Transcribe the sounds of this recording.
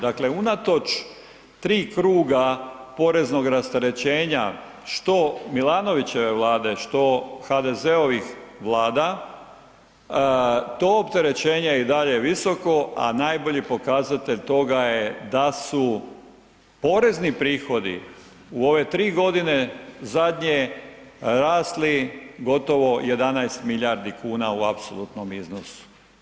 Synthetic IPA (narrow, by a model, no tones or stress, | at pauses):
d̪akle̞unat̪o̞t͡ʃ | t̪ɾiːkɾuːɡapo̞ɾe̞zno̞ɡɾast̪aɾe̞t͡ɕeːɲa | ʃt̪o̞milˠano̞ʋit͡ɕe̞ʋe̞ʋlˠaːd̪e̞ʃt̪o̞xad̪e̞ze̞o̞ʋixʋlˠaːd̪a | t̪o̞ːopt̪e̞ɾe̞t͡ɕe̞ːɲeid̪aʎeʋiso̞ko̞a̰najbo̞ʎipo̞kazat̪eʎt̪o̞ɡajed̪asu | po̞ɾe̞znipɾiːxo̞d̪ḭ | uo̞ʋe̞t̪ɾiːɡo̞d̪ine̞zad̪ɲe | ɾaːsliɡo̞t̪o̞ʋo̞je̞d̪anajst̪miʎaɾd̪ikuːnauapsolut̪nomiznosu̥